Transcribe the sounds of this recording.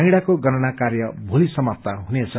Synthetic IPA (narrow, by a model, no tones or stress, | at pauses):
iɽakoɡʌnʌnakarjʌbʱulisʌmap̚t̪aɦunet͡sʰʌ